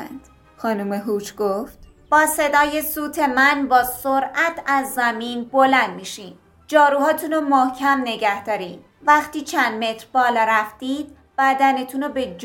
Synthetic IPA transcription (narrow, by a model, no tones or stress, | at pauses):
nd̪̥ | xɒːnuːmeɦuːt͡ʃʰɡ̥oft̪ | b̥ɒːse̞d̪ɒːje̞suːt̪ʰe̞mænbɒːsoɾæt̪ʰæzːæmiːnbo̞lænd̪miːʃiːn | d͡ʒɒːɾuːhɒːt̪ʰunomohcʰæmne̞ɟæhd̪ɒːɾiːn | væxt̪iːt͡ʃʰænd̪me̞t̪ʰɾbɒːlɒːɾæft̪iːd̪̥̚ | b̥æd̪ænet̪ʰunobe̞d͡ʒ